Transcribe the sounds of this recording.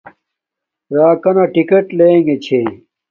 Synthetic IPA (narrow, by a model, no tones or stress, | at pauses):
ɾaːkɐnɐʈikeʈleːŋɡet͡ɕʰe